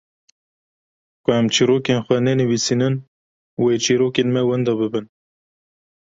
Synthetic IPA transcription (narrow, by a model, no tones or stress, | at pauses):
kʊæmt͡ʃʰiːɾoːkenxʷɛnɛnɨwiːsiːnɨn | wet͡ʃʰiːɾoːkeːnmɛwɛnd̪ɑːbɨbɨn